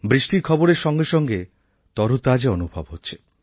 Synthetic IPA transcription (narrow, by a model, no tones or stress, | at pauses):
bɾiʃʈiɾkʰɔboɾeɾʃɔŋɡeʃɔŋɡe | t̪ɔɾut̪ad͡ʑeɔnubʱa̰bɦotːɕʰe̥